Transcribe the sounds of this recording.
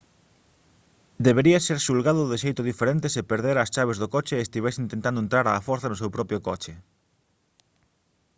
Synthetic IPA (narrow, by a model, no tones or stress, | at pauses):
d̪eβeɾiaseɾʃulɣaðʊðɪʃejt̪ʊðifeɾent̪ɪsepeɾðeɾɐst͡ʃaβezðokot͡ʃeːst̪iβ̞ɛs̬int̪ẽnt̪and̪oent̪ɾaɾaːfɔɾθanosewpɾɔpɾjokot͡ʃe